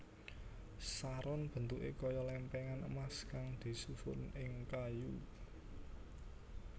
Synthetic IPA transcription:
saɾʊnb̥ə̤nt̪uʔḛkɔjɔlɛmpɛŋanə̰maskaŋd̪̥i̤sufʊ̰nɪŋkaju

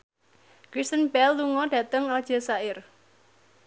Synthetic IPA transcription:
ɡ̥ɾist̪ənbɛlːuŋɔɖ̥ä̤t̪əŋad̥ʒ̥a̤saɪr

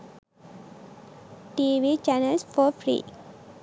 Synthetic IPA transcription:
ʈiʋit͡ʃɛnelsfɔːfɾḭː

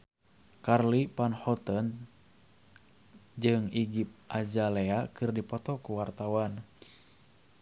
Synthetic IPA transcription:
karlipanhɔt̪ɔn | d͡ʒɨŋiɡip̚ʔad͡ʒaleakɨrdipɔt̪ɔkuwart̪awan

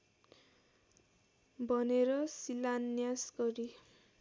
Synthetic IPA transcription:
bʱʌneɾʌsilanːjasɡʌɾi

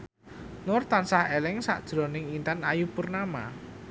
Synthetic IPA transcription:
nʊrt̪ansahelɪŋsa̰ʔd̥ʒ̥ɾɔnɪŋint̪anajupʊrnama̰

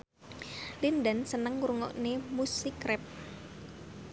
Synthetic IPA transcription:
lindənsənəŋuɾuŋɔ̰ʔnemusikɾɛp̚

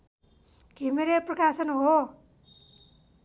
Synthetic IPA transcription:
kimeɾeprʌkasʌnɦo

